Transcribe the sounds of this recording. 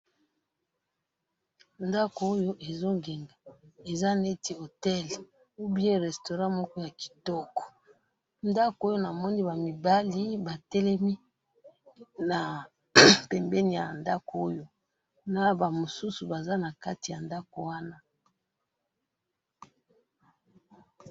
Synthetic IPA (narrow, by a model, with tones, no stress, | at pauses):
nda˦ko˨o˦jo˦ʔe˨zo˦ŋɡe˨ŋɡa˨e˨za˦ne˦ti˨o˨tɛ˦l | u˦bi˦e˦ʁɛ˨sto˨ʁã˦mɔ˦kɔ˦ja˨ki̥˨tɔ˦kɔ̥˨ | nda˦ko˨o˦jo˦na˨mɔ˦ni˦ba˨mi˨ba˦li˦ba˨tɛ˦lɛ˦mi˦ | na˨ | pɛ˨mbɛ˦ni˨ja̰˨nda˦ko˨o˦jo˦ | na˨ba˨mo˨su˦su˨ba˨za˦na˨ka˦ti˨ja˨nda˦ko˨wa˦na˦